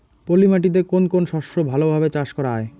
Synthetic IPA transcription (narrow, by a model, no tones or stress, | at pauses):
polimaʈ̬it̪̬ekonkonʃɔʃobʱalobʱabet͡ɕaʃkɔɾaae